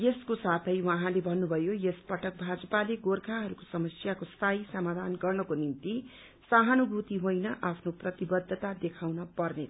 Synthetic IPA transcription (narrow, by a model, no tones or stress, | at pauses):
jeskosat̪ʰʌjwʌɦãlebʱʌnːubʱʌjojespʌʈʌk̚bʱad͡zʌpaleɡorkʰaɦʌɾuko̥sʌmʌsjakost̪ʰajsʌmad̪ʱanɡʌrnʌkonint̪i | saɦʌnubʱut̪iɦojnʌʔapʰnoprʌt̪ibʌd̪ʱːt̪ad̪ekʰawnʌpʌrne